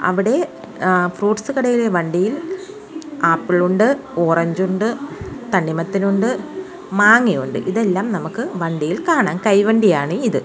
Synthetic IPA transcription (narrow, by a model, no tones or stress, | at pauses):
ɐ̰ʋiɽe̞ | fruːʈsɨkɐɽɐjileʋɐɳɖijil | aːpːiɭuɳɖɨoːrɐɲd͡ʑuɳɖɨt̪ɐɳɖimɐt̪ːinuɳɖɨ | maːŋːijuɳɖɨ̰ʔiðe̞lːaːmnɐmukːɨʋɐɳɖijilkaːɳaːnkɐjʋɐɳɖijaːɳɨiðɨ